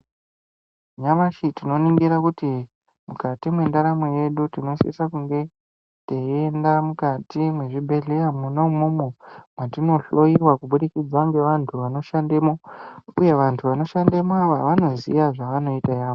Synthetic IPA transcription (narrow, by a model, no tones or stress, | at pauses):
ɲaʋaʃitino̞niŋɡiɾakuti | mukatimwe̞ndaɾamweje̞ɗutino̞siḭsakuŋɡe̞ | teendamukatimwe̞ʐibʱe̞ɮejamunomomomwatino̞ɬo̞iwakuɓuɗikid͡zaŋɡe̞ʋantʰuʋano̞ʃandemouje̞ʋantʰuʋano̞ʃandemoaʋaʋano̞zḭjaʐaʋano̞itajaːʋo